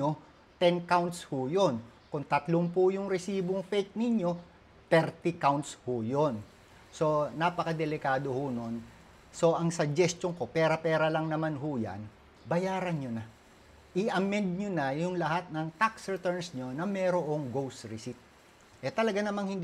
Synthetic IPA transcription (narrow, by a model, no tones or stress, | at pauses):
ɲo | t̪ɛnkawnt̪shʊjon | kʊŋt̪ɐt̪loŋpʊjʊŋɾɛsiːboŋfɛt̪̚nɪɲjo̞ | t̪ɛɾt̪ɪkawnt̪shʊjon | so̞napɐkɐd̪ɛlɪkaːd̪o̞hono̞n | so̞ʔɐŋsɐd͡ʒɛst̪oŋko̞pɛːɾɐpɛːɾɐlɐŋnɐmanɦʊja̰n | bɐjaːɾɐnɲonɐ | ʔɪʔɐmɛnd̪̚ɲonɐjʊŋlɐhat̪̚nɐŋt̪aksɹɛt̪ɛɹnsɲo̞nɐmɛːɾoʔoŋɡowsɹɪsit̪̚ | ʔɛt̪ɐlɐɡanɐmaŋhɪnd̪